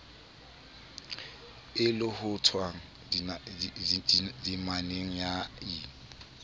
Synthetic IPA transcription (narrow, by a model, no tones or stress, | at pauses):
ɪlʊhʊtʰwaŋ̩ | din | dimaneŋ̩jaiːŋ̩